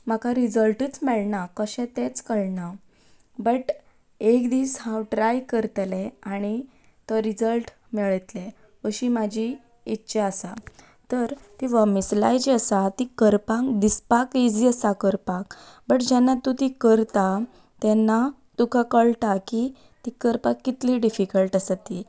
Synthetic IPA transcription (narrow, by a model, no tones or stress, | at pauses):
m̤akaɾid͡zəlʈəːt͡smɛɭɳakəɕɛ̃t̪ẽt͡skəɭɳa | bəʈ | ekd̪iːshãwʈɾajkəɾt̪leaɽ̃i | t̪əɾid͡zəlʈ | mɛɭət̪le | ʋəɕimad͡ʑʱiː | tːɕeasa | t̪əɾt̪iʋamisla̰jt͡ɕiəsat̪ikəɾpãkd̪ispakid͡ziəsakəɾpak | bəʈd͡ʑɛnːat̪ːut̪ikəɾt̪a | t̪ɛnːa | t̪ukʰakəɭt̪aki | t̪ikəɾpakːit̪liɖifikəlʈasat̪i